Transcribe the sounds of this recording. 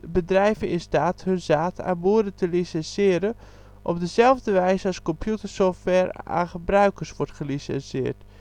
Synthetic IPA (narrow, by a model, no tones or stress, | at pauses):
bədrɛjvəɪnstaːthɵnzaːta̰buədətʰəlisɛnsɪəɾə | ʔɔb̚dəzɛlˠvdəʋɛjzəɑskɔmpʰjutərsoftʋɛɹa̰xəbrœɥkərsʋɔɹtχəlisɛ̰nsɪ̰ːrt